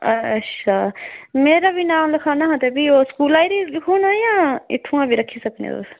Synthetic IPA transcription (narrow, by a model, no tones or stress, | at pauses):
ɐɐʃʰameːɾabʱinaːmlɐkʰanaɦɐ̃t̪ebʱioskuːlaːjɾilikʰuːnajãḭt̪ʰũãbʱiɾɐkʰːisɐpnḛo̰